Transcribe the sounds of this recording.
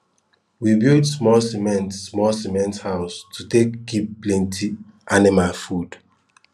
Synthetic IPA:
wibildsmɔlsimɛ̃ntsmɔlsimɛ̃nthaʊstʰutekɡipplɛ̃ntʰi | ʔanimalfud̥

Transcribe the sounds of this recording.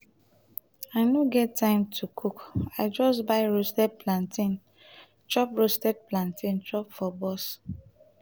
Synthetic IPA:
aɪnoɡɛtːãɪ̃mtʰukʰukaɪd͡ʒɔsbaɪɹostɛd̚pʰlãntĩn | t͡ʃɔpɹostɛd̚plãntʰĩnt͡ʃɔpfɔbɔs

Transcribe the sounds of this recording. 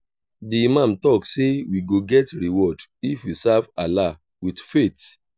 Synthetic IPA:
dimãntɔksewiɡoɡɛtɾiwɔdifwisavala | widfet

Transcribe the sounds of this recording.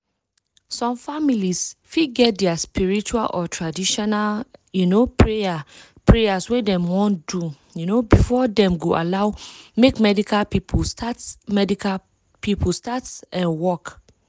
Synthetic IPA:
sɔ̃mfamilisfiɡɛt̚dɛaspiɹit͡ʃualʔɔtʰɹadiʃɔnaljunopʰɹeja | pʰɹejaswɛ̃dɛ̃mwɔ̃ndu | junobifɔdɛ̃mɡoʔa̰laʊmekmɛdikʰalpipʰstatmɛdika | pipʰustatsɛ̃nwɔk

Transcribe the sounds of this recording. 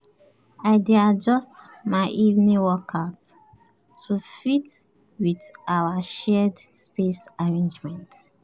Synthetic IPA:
aɪdead͡ʒɔstmaɪʔivnĩwɔkʰaʊtʰː | ufit | witawaʃɛdspesaɹẽnd͡ʒmɛ̃nt

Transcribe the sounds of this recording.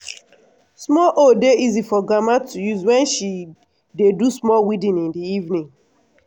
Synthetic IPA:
smɔlʔodeizifɔɡamatujuzwɛ̃nʃi | dedusmɔlwidĩnĩndiivnĩŋ

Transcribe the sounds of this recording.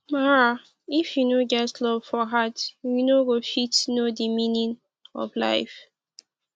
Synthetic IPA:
maɹa | ifjunoɡɛtlɔv̥fɔɦatjunoɡofitnodimĩnĩn | ɔ̰fla̰ɪf

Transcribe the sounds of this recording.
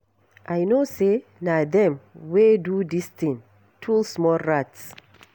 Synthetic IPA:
ʔajnosenadɛ̃mwedudist̪ĩn | tʰulsmɔlɹats

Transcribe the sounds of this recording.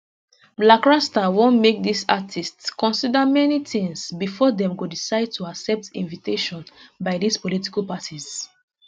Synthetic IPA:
blakɹastawõnmek̚disa̰tʰistskɔ̃nsidamɛnitĩŋsbifɔdɛ̃mɡodisaɪd̚tʰuaksɛp̚tḭ̃nviteʃɔ̃nbaɪdispoliti̥kalˠpatʰiz̥

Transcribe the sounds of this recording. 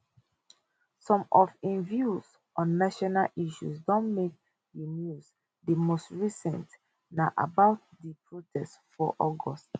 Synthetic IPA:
sɔ̃mɔfĩnvjuz | ʔɔ̃nːaʃɔnalʔiʃṵsdɔ̃nmek̚ | dinjus | dimostɹisɛ̃nt | naʔa̰baʊt̚dipʰɹotʰɛstfɔʔɔɡɔst

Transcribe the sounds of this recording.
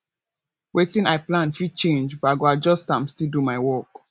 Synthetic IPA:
wetĩnaɪplãnfid̚t͡ʃẽnd͡ʒbɔaɡoad͡ʒɔstãmstildumaɪwɔk

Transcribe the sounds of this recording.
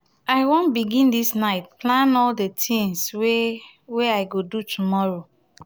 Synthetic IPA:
aɪwɔ̃nbiɡĩndisnaɪt̚plãnɔldetʰĩŋswe | weaɪɡodutʰumɔɹo

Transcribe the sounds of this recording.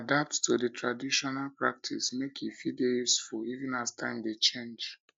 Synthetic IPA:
adap̚ttodətʰɹadiʃɔnalpɹa̰k̚tʰḭsmekʰifidejusfulivĩnastʰã̰ɪ̃mdet͡ʃẽnd͡ʒ

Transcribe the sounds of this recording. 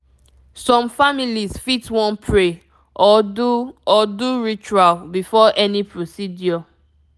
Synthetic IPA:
sɔ̃mfamilizfitwɔ̃npʰɹe | ʔɔduɔduɹit͡ʃualbifɔʔɛnipʰɹosidjɔ

